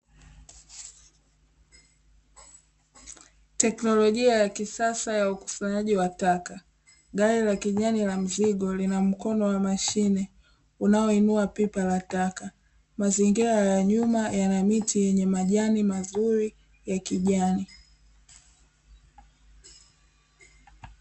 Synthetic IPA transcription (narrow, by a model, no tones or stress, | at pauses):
tɛknɔlɔʄiajakisasajauku̥saɲaʄiwataka | ɠaɾilakiʄanilam̩ziɠɔlinam̩kɔnɔwamaʃinɛ | unaɔinuapipalataka | maziŋɡiɾajaɲumajanamitʰijɛɲɛmaʄanimazuɾi | jakiʄani